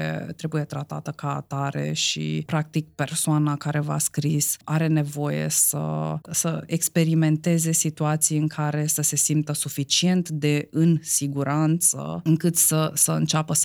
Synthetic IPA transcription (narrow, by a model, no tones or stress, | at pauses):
ḛt̪ɾe̞buje̞t̪ɾat̪a̰t̪əka̰ːt̪aɾe̞̰ʃḭpɾak̚t̪ik̚pe̞rsoanakaɾe̞va̰skɾisaɾe̞ne̞vo̞je̞̰sə̰səekspe̞ɾime̞nt̪e̞ze̞sit̪uat̪sijɨŋkʰaɾe̞səse̞simp̚t̪əsufit͡ʃie̞nt̪d̪e̞ɨnsiɡuɾant̪sə̰ɨŋkɨt̪səsəɨ̰nt͡ʃapə